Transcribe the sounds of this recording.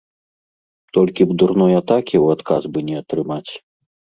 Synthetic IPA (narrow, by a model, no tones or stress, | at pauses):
t̪ɔlʲkʲibd̪uɾnɔjat̪akʲiwat̪kazbɨnʲɛat̪ɾɨmat͡sʲ